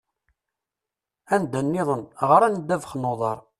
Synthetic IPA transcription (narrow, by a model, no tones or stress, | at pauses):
ænd̪ənːɪðˤənʁəɾænd̪ævəχnːoðˤɑɾˤ